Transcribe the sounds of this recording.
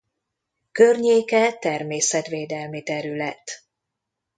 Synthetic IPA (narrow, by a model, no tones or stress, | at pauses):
kø̞rɲeːkɛt̪ɛrmeːsɛt̪ʋeːd̪ɛlmit̪ɛɾylɛt̪